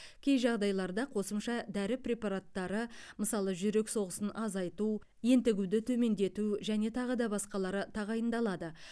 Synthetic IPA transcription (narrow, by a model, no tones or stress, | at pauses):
kʲʰe̞jʒɑʁd̪ɑjlˠɑɾd̪ɑqʰo̞səmʃɑd̪æɾɪpɾʲe̞pɑɾat̪ːɑɾəməsɑlˠəʒʏɾe̞kso̞ʁəsənʔɑzɑjt̪u | je̞nt̪ɪɡʲud̪ɪt̪ʰɵme̞nd̪e̞t̪uʒæne̞t̪ʰɑʁəd̪ɑbɑsqɑlˠɑɾət̪ʰɑʁɑjənd̪ɑlˠɑd̪ə